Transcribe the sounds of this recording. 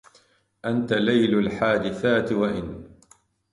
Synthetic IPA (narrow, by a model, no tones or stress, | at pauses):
ʔant̪alajlʊlħaːd̪ɪθaːt̪ɪwaʔɪn